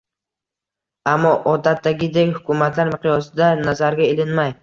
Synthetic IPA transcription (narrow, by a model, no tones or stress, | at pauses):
amːɒʔɒd̪at̪ːaɡʲɪd̪ekʲhʊkʰʲʊmat̪ʰlaɾmɪqʰijɒsɪd̪anazaɾɡʲaelɪnmaj